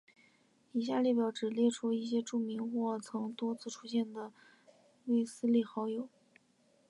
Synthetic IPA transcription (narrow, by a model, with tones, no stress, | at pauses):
i˨˩ɕ̬ja˥˧ljɛ˥˩pjɑ˧˥ʊʈ͡ʂɻ̩˨˩ljɛ˥˩ʈ͡ʂʰu˥i˥˩ɕ̬jɛ˥ʈ͡ʂu˥˩mi˧˥ŋxwɔ˥˩t͡sʰɤ˧˥ŋt̪wɔ˥t͡sʰɹ̩˥˩ʈ͡ʂʰu˥ɕjɛ˥˩nd̪ə˩ | we˥˩ɪsɹ̩˥li˥˩xɑ˧˥ʊjo˨˩˦ʊ